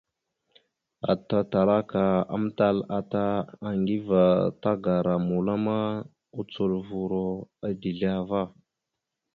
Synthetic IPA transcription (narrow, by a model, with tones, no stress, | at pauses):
a̰˨ta˨ta˨ɾa˦ka˨a̰˨˦m˦ta˦la˨ta˦a˨ŋɡi˦va˨ta˦ɡa˨ɾa˨mu˨la˦ma˦ | u˦t͡su˨lvu˨ɾo˦a˨di˨ɮi˦a˦va˦˨